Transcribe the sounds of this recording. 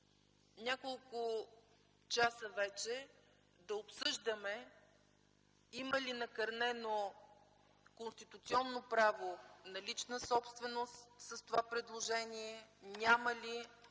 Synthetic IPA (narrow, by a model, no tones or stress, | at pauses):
nʲakolˠkʊ | t͡ʃasəvɛt͡ʃɛ | d̪ɐopsɤʒd̪əmɛ | iməlinɐkɐɾnɛno | konst̪it̪ut̪siɔnːopɾavonɐlit͡ʃnəsɔpst̪vɛnost̪səst̪ovapɾɛd̪lˠoʒɛniɛnʲaməli